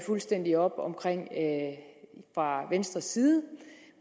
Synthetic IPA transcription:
fulsd̥en̰d̥iɒ̽b̥ɒ̽mkʰʁeŋ̰ | fʁɑ̈ʋensd̥ʁɐsːiːðˠə

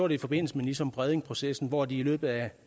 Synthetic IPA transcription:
o̰ːɾ̥eifɒ̽b̥e̝n̰l̩səmelisɒ̽mb̥ʁɛð̞ˠeŋpʰʁo̝sesn̩ʋɒd̥iːlø̰ːb̥ð̩ˠæ

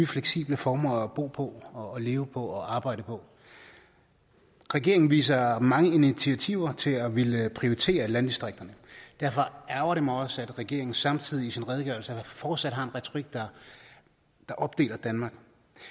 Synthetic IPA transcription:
yfleɡ̥sḭːb̥ləfɒːmɐɒb̥o̝̰ːpʰɒ̽ɒːle̝ːʊəpʰɒ̽ɒɑ̈ːb̥ɑ̈ɪ̰d̥əpʰɒ̽ | ʁɛɡ̥e̝ɐeŋn̩ʋḭːs̬ɐmɑ̈ŋəinit͡sʰiæt͡sʰiʊ̰ɐt͡sʰe̝læʋeləpʰʁio̝ʁit͡sʰe̝̰ːɐlænd̥isd̥ʁeɡ̥̚d̥ɐnəd̥æɐfɒ̽æɐʊɐɾemɑɒ̽səæd̥ʁɛɡ̥e̝ɐ̰eŋn̩sɑ̈mt͡sʰið̞̰ˠiisinʁɛð̞ˠəɡ̥œɐlsəfɒːd̥sæd̥ɦɑ̈e̝nʁɛt͡sʰo̝ʁiɡ̥̚d̥ɑ̈ | d̥ɑ̈ʔɒ̽b̥̚d̥e̝̰ːlɐd̥ænmɑ̈ːɡ̥

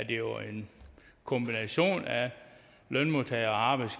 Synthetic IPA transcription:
d̥e̝jo̝ʔe̝n | kʰɔ̽mb̥inæɕo̝̰ːnæ | lœnmot͡sʰɛɪɐɒɑ̈ːb̥ɑɪ̥s

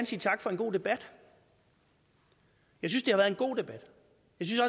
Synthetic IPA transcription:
ænsḭːt͡sʰɑ̈ɡ̥fɒ̽e̝nɡ̥o̝̰ːd̥e̝b̥æd̥ | jɑ̈ɪsynsd̥e̝hɑʋæɐð̩ˠenɡ̥o̝̰ːd̥e̝b̥æd̥ | jɑ̈ɪsynsɒ̽

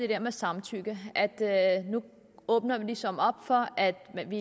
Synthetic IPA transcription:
d̥e̝d̥ɛɐ̰mesɑ̈mt͡sʰyːɡ̥əʔæd̥nu | ɔ̽ːb̥nɐʋilisɒ̽mɒ̽b̥fɒ̽ʔæd̥mʋi

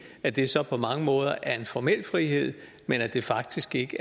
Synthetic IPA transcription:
æd̥e̝sɒ̽pʰɒ̽mɑ̈ŋəmɔ̽ːð̞ˠɐʔæɐe̝nfɒmel̰fʁihe̝ð̞̰ˠ | menæd̥e̝fɑ̈ɡ̥̚d̥isɡ̥e̝ɡ̥ə

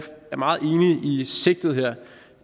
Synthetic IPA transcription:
æɐmɑ̈ːð̞̩ˠe̝ːniise̝ɡ̥̚d̥ð̩ˠɦeɐ̰

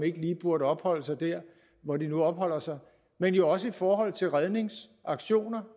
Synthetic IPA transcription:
e̝ɡ̥əliːb̥uɐɾəɒ̽b̥hɒ̽l̰əsɑ̈ɪd̥æɐ̰ | ʋɒdinuɒ̽b̥hɒ̽l̰ɐsɑ̈ɪ | menjo̝ɒ̽s̬əifɒːɦɒ̽l̰t͡sʰe̝lʁað̞ˠne̝ŋsʔɑ̈ɡ̥ɕo̝̰ːnɐ

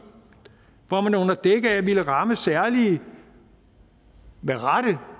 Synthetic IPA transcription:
ʋɑmænɔ̽nɐd̥eɡ̥əæʋiləʁɑ̈məsæɐ̰li | ʋæʁɑɾ̥ə

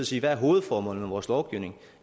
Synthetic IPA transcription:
siːʋææɐɦo̝ːð̞̩ˠfɒːmɔ̽ːln̩æʋɒːslɒʊɡ̥iʊne̝ŋ

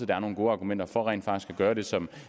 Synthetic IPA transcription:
əd̥ɑ̈æɐno̝ːn̩ɡo̝ːɑ̈ɡ̥umen̰d̥ɐfɒ̽ʁɛ̰nd̥fɑ̈ɡ̥i̥sɡ̥æɡ̥ɶːɐɾ̥e̝sɒ̽m

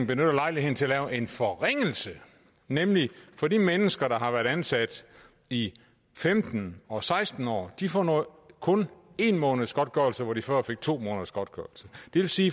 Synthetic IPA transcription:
ŋ̩b̥e̝nøɾ̥ɐlɑ̈ɪlihe̝ðn̩t͡sʰe̝ɐlɛːʊʔe̝nfɒ̽ʁeŋ̰l̩sə | nemlifɒ̽dimenəsɡ̥ɐɾ̥ɑ̈ɦɑ̈ʋæːɐɾ̥ænsæd̥ | i | femd̥n̩ɒ̽sɑ̈ɪsd̥n̩ɒ̰ːd̥ifɒnɔ̽ | kʰɔ̽ne̝nmɔ̽ːnð̩ˠsɡ̥ɒ̽d̥̚ɡ̥ɶɐl̩səʋɒd̥ifɶɐ̰fe̝ɡ̥̚t͡sʰo̝̰ːmɔːnð̩ˠsɡ̥ɒ̽d̥ɡ̥ɶɐl̩səd̥e̝ʋe̝lsiː

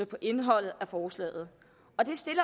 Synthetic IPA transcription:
əpʰɒ̽ʔe̝nɦɒ̽l̰ð̩ˠæfɒːslɛ̰ːð̞̩ˠ | ɒ̽d̥e̝sd̥e̝lɐ

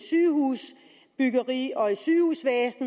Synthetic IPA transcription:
syːhuːs | b̥yɡ̥ɐʁḭːɒ̽isyːhuːsʋeːsn̩

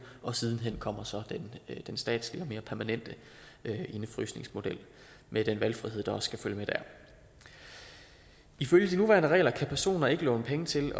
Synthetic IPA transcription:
ɒ̽sið̞ˠn̩ɦen̰kʰɒ̽m̰ɐsɒ̽d̥end̥ensd̥ɛ̰ːd̥sliɒ̽me̝ːɐpʰæɐmænen̰d̥ə | ʔe̝nəfʁy̰sne̝ŋsmo̝d̥el̰ | med̥enʋælfʁiɦeð̰ˠd̥ɑ̈ɒ̽sskʰæføljəmed̥æ̰ɐ̰ | iføljəd̥inuʋæːɐnəʁɛ̰ːlɐkʰæpʰæɐso̝̰ːnɐe̝ɡ̥əlɔ̽ːʊnəpʰeŋət͡sʰe̝l

